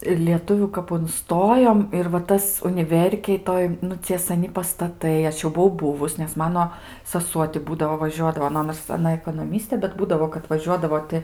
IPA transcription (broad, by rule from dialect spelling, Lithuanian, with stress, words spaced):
ɪr lʲiɛˈtʊʋʲuː kɐp ʊnˈstoːjoːm ɪr ʋɐ ˈtɐs ʊnʲɪˈʋʲɛrʲkʲeːj ˈtoːj nʊ ˈt͡sʲiɛ ˈsɑːnʲɪ pɐstɐˈtɐɪ ˈɐʃ jɛʊ bʊˈʋɐʊ ˈbʊʋʊs nʲɛs ˈmɑːnoː sɐˈsuɔ tʲɪ ˈbuːdɐʋoː ʋɐˈʒʲuɔdɐʋoː nʊ ˈnoːrs ɐˈnɐ ɛkoːnoːˈmʲɪsʲtʲeː bʲɛt ˈbuːdɐʋoː kɐt ʋɐˈʒʲuɔdɐʋoː tʲɪ